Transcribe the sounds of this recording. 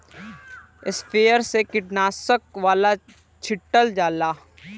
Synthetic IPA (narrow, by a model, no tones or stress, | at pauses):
ɪspʰeːəɾsekɪʈnaːsəkʋaːla | t͡ʃʰɪʈːəld͡ʒaːlaː